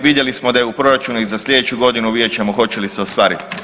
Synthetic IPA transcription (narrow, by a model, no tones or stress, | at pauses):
ʋid̪je̞lismo̞d̪ajeupɾo̞ɾat͡ʃunuizasʎʲe̞d̪e̞t͡ɕuɡo̞d̪inuʋjeːt͡ɕemoxo̞t͡ɕe̞liseost̪ʋaːɾit̪i̥